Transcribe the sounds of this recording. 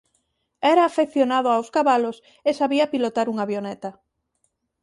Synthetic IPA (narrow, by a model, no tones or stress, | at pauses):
ɛɾaːfeθjonaðʊawskaβalos | esaβiɐpilot̪aɾuŋaβjonɛt̪a